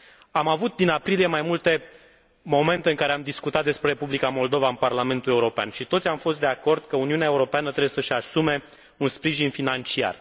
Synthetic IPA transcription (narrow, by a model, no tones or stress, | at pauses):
amavut̪̚d̪inapɾilije̞majmult̪e̞ | mo̞me̞nt̪e̞ɨŋkaɾeamd̪iskut̪at̪̚d̪e̞spɾe̞ɾepublikamo̞ld̪o̞vaɨnparlame̞nt̪ulje̞uɾo̞pea̰nʃit̪otsʲamfo̞st̪d̪eako̞rd̪̚kəuniuneaeuɾo̞peanət̪ɾe̞bjesəʃasume̞ | unspɾiʒinfinant͡ʃia̰r